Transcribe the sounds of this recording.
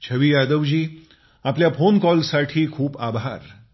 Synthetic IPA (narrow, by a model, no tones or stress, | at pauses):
t͡ɕʰəʋiːjad̪əʋd͡ʑiː | apljafonkɔlsaʈʰiːkʰuːpabʱaɾ